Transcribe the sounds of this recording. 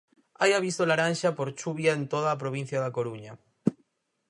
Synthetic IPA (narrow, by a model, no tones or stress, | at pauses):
ajaβ̞ist̪olaɾanʃapoɾt͡ʃuβjaent̪oðaːp̬ɾoβĩn̟θjaðakoɾuɲa